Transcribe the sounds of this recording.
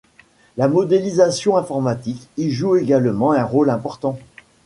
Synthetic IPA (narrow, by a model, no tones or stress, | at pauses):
lamɔd̪elizasjɔ̃ɛ̃fɔʁmat̪ikiʒueɡalmɑ̃ɛ̃ʁolɛ̃pɔʁt̪ɑ̃